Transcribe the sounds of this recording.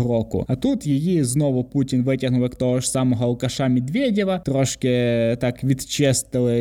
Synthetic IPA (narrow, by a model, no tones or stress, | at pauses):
ɾɔkʊ̰ɐt̪ut̪jijiznɔʋʊputʲinʋɪtʲɐɦnʊwjɐkt̪ɔɦɔʃsɑmɔɦɔʊkɐʃɑmʲid̪ʋʲedʲiʋɐt̪ɾɔʃkɪt̪ɑkʋʲid̪t͡ʃɪst̪ɪlˠɪ